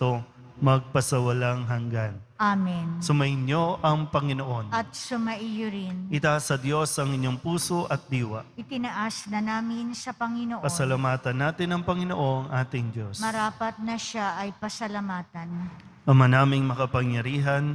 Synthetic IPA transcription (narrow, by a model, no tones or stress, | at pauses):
t̪o | mɐɡ̚pɐsɐwɐlaŋɦɐŋɡan | amɪnsʊmɐʔɪnjo̞ʔɐŋpɐŋɪnoʔo̞nɐt̪̚sʊmɐʔijʊɾɪnʔɪt̪asɐd̪jo̞sɐŋɪɲːo̞ŋpuːso̞ʔɐt̪̚d̪iːwɐ̰ʔɪt̪ɪnɐʔasnɐnaːmɪnsɐpɐŋɪnoʔpɐsɐlɐmaːt̪ɐnːaːt̪ɪnɐŋpɐŋɪnoʔo̞ŋʔaːt̪ɪŋd͡ʒjo̞smɐɾaːpɐt̪̚nɐʃaʔɐjpɐsɐlɐmaːt̪ɐn | ʔɐmanaːmɪŋmɐkɐpɐŋjɐɾiːɦɐn